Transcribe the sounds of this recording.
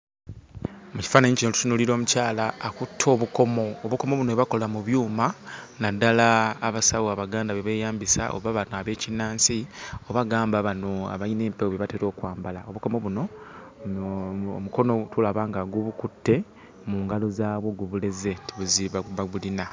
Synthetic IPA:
muci̥faːnaɲicino̞tu̥tunuliɾo̞ːmucaːlaːkutʰːo̞ːβuko̞mo̞ːβuko̞mo̞βunoeβako̞lamuβjuːmanadːalaːβasaβoaβaɡaːndaβeβe̞ːjaːmbisa̰ʔo̰βaβanoaβe̞ːcinaːnsio̞βaɡaːmbaβano̞a̰βaine̞ːmpewoβeβateɾo̞ːkwaːmbalaoβuko̞mo̞βuno̞ | omuko̞no̞tulaβaːŋɡaɡuβukutːe̞ | muːŋɡalozaβwoɡuβule̞ze̞ntiβuziβaβaɡulina

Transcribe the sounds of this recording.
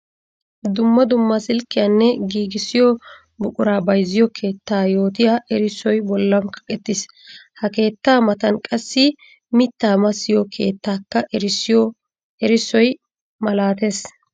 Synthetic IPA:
d̪ʊmːɐd̪ʊmːɐsɪlkːɪjanːɛɡiːɡɪsɪjɔ | bʊkʼʊɾaːbɐjzːɪjɔkʰe̞ːt̪ːaːjo̞ːt̪ɪjaʔɛɾɪsɔjbɔlːɐmkɐ̥kʼɛt̪ːɪs | hɐke̞ːt̪ːaːmɐt̪ɐnkʼɐsːɪ | mɪt̪ːaːmɐsːɪjɔkʰḛːt̪ːaːkːɐɾɪsɪjɔ | ɛɾɪsɔj | mɐlaːt̪e̞ːs

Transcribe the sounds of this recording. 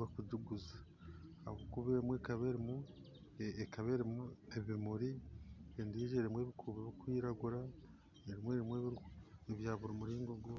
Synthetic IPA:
wakuɟuɡuza | a̰βokuβemweːkaβeɾimu | ekaβeɾimueβimuɾiendiʒeɾimwe̞ːβikʰuːβeβikwiːɾaɡuɾa | eɾimweːɾimweβiɾeβjaːβuɾomuɾiːŋɡoɡo

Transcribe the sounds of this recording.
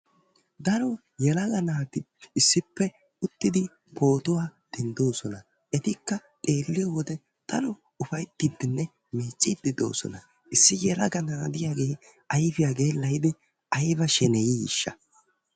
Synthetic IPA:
d̪ɐɾɔ | jɛlɐɡɐnaːd̪ɪ | ɪsːɪpːɛ | ʊt̪ːɪd̪ɪ | po̞ːt̪ʊwaːd̪̥ɛnd̪o̞ːsɔnɐ | ʔɛt̪ɪkːɐt̪ʼe̞ːlːɪjɔwɔd̪ɛ | d̪̥ɐɾɔ | ʊfɐjt̪ːɪd̪ːɪnːɛ | meːt͡ʃʼːɪd̪ːɪd̪o̞̰ːsɔ̰nɐ | ʔɪsːɪjɛlɐ̰ɡɐnaːd̪ɪjaːɡe̞ː | ɐjfɪjaːɡe̞ːlːɐjd̪ɪ | ɐjbɐʃɛnɛjijɪ̰ʃːɐ

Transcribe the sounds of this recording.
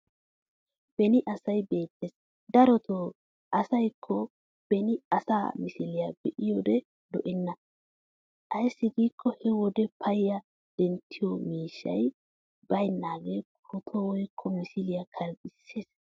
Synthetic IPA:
b̥ɛnɪʔɐsɐjbe̞ːt̪ːeːs | d̪ɐɾɔt̪ʰoː | ʔɐsɐjkʰːɔ | b̥ɛnɪɐsa̰ːmɪsɪlɪjabɛʔɪjɔd̪ɛ | d̪ɔʔɛnːɐ | ʔɐjsːɪɡiːkːɔhɛwɔd̪ɛpʰɐjjɐ | d̪̥ɛnt̪ʰːɪjɔmiːʃːɐ̰j | bɐjnːaːɡekʊt̪ʰɔwɔjkʰːɔmɪsɪlɪjakʰɐlɡɪsːeːs

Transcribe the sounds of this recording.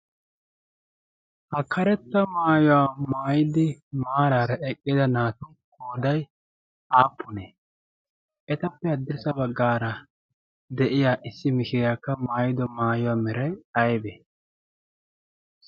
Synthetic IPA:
ʔɐkʰːɐɾɛt̪ːɐmaːjɔwaːmaːjɪd̪ɪmaːɾaːɾɐʔɛkʼːɪd̪ɐnaːt̪ʊ | oːd̪ɐj | aːpʰːʊneː | ʔɛt̪ɐpːɛɐd̪ːɛsɐbɐɡːaːɾɐ | d̪ɛʔɪjaːʔɪsːɪmɪʃɪjaːkːɐmaːjɪd̪ɔmaːjʊwaːmɛɾɐjɐjbeː

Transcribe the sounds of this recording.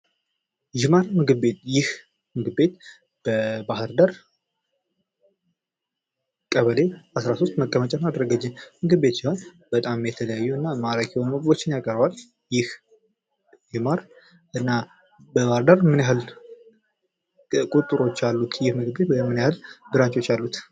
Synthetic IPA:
d͡ʒɪmaɾmɨɡɨbe̞t̪jɪh | mɨɡɨbe̞t̪ | b̥əbahɨɾd̪aɾ | kʼəβəle̞asɾasost̪məkʼːəmət͡ʃʼanad̪ɾəɡət͡ʃːɪnmɨɡɨbe̞t̪sɪhol | b̥ət̪ʼamjɛt̪ʰələjajːuɨnːamaɾakʰewonməɡbo̞t͡ʃːɪnjakʼəɾbal | jɪh | d͡ʒɨmaɾ | ʔɨnːa | bəβahɾd̪aɾmɨnjahɨl | kʼut̪ʼːɨɾo̞t͡ʃːalːut̪jɪhmɨɡɨbe̞t̪wɛmːɨnjahɨlbɨɾat͡ʃʼo̞t͡ʃːalːut̪

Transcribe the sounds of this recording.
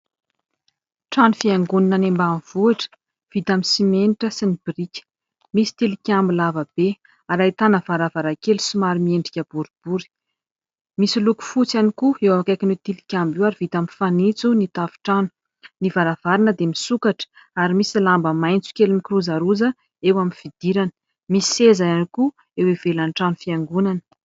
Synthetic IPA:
ʈ͡ʂanufiaŋɡuninənembamiv̥uaʈ͡ʂə̥ | v̥it̪aminsimenʈ͡ʂəsinib̥iɾikʲə̥ | misi̥t̪ilikʲambilavəb̥e | aɾait̪anəvaɾavaɾakelu̥sumaɾimieɳɖ͡ʐikʲəb̥uɾib̥uɾi̥ | misiluku̥fut͡sanikuewamkajkinwet̪ilikʲambiwaɾivit̪amifanit͡sunit̪afi̥ʈ͡ʂanu̥ | nivaɾav̥aɾinəd̪emisukaʈ͡ʂə̥ | aɾimisilambəmajnt͡su̥kʲelumikiruzaɾuzə | ewamifid̪̥iɾanə̥ | misi̥sezajaniku | ewevelanʈ͡ʂanufiaŋɡunanə̥

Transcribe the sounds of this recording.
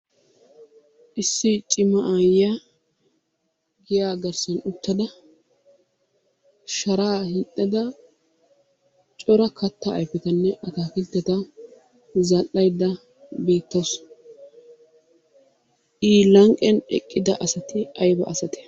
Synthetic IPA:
ʔɪsːɪt͡ʃʼɪmɐʔaːja | ɡɪjaːɡɐɾsɐnʊt̪ːɐd̪ɐ | ʃɐɾaːhɪt̪ʼːɐd̪ɐ | t͡ʃʼɔɾɐkʰɐt̪ːɐ̰ːjfɛt̪ɐnːɛʔɐt̪aːkɪlt̪ːɛt̪ɐ | zɐʔɐjd̪ːɐ | be̞ːt̪ːɐs | ʔiːlɐŋkʼɛnɛ̰kʼːɪd̪ɐʔɐsɐt̪ɪɐjbɐ̰ʔɐsɐt̪ɛ̥

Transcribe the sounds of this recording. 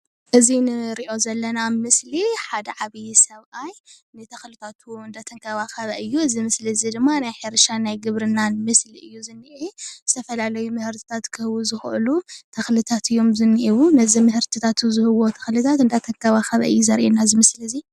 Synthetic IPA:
ʔɨzinɨɾiʔo̞zɐlːɐnamɨsliħad̪ɐʕaβijsɐβʔaj | nɨt̪ʰɐxlɨt̪ʰat̪ʰuɨnd̪at̪ʰɐŋkʰɐβaxɐβɐʔɨjːuɨzimɨslizid̪ɨmːanajħeɾʃanajɡɨβɾɨnanmɨsliɨjːuzɨnːɨʔizɨt̪ʰɐfɐlalɐjumɨhɨɾt̪ʰi̥t̪ʰat̪kʰɨhɨwuzɨxʔɨ̰lut̪ʰɐxlɨt̪ʰat̪ʰɨjːo̞mzɨnːɨʔiwunɐzimɨhɨɾt̪ʰɨt̪ʰat̪ʰuzɨhɨwo̞t̪ʰɐxlɨt̪ʰat̪ɨnd̪at̪ʰɐŋkʰɐβaxɐβɐ̰ʔɨjːuzɐɾʔenazɨmɨsliɨzi

